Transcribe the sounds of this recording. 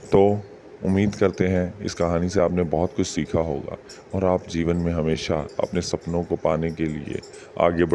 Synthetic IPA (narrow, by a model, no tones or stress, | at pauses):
t̪oː | ʊmːiːd̪kɐɾt̪eɦɛ̃ɪ̰skɐɦaːniseaːpnebɔɦʊt̪kʊt͡ʃʰsiːkʰaɦo̰ːɡa̰ː | ɔːɾaːpd͡ʒiːʋənmẽɦɐmeːʃaɐ̰pnesɐpnõkopaːnekeliḛ | a̰ːɡeb